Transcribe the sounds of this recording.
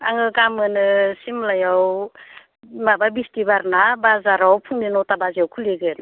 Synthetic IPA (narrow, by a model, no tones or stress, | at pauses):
a̰ŋɯkamɯnɯsimlajaw | mababistibaɾnabazaɾawpʰuŋninɔtabaziawkʰuleɡɯn